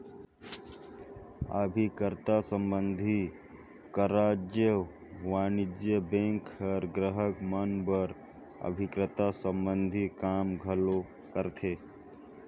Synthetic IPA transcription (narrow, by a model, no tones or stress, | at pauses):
ə̰bʱikəɾt̪asə̃mbənd̪ʱi | kəɾaːd͡ʒjə | ʋaːnɪd͡ʒjəbẽŋkəɾɡɾəɦəkmənbəɾ | ə̰bʱɪkɾət̪asəmbənd̪ʱikaːmɡʱəlo | kəɾt̪ʰeː